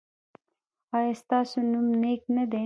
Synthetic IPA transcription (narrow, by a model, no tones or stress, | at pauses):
ɑːjɑst̪ɑːsonumneknɐd̪e